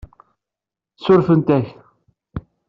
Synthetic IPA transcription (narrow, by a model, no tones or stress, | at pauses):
θsʊɾfənt̪æç